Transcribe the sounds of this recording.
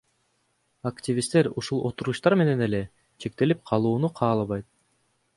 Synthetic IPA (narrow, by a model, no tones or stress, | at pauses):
aktʲivʲist̪e̞ɾuʃulˠo̞t̪uɾuʃt̪ɑɾme̞ne̞ne̞le̞ | t͡ʃʰe̞k̚t̪e̞lip̚qʰɑlˠuːnuqʰɑːlˠɑβɑjt̪̚